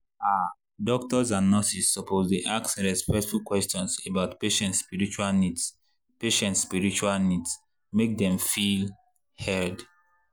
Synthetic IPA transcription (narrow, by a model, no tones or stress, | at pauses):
a | dɔk̚tɔzãnːɔsisːɔpʰozdeʔaksɹɛspɛktfulkwɛstɔ̃nsebaʊtpeʃɛ̃ntspiɹit͡ʃualnids | peʃɛ̃ntspiɹit͡ʃualnids | mek̚dɛ̃mfil | hɛd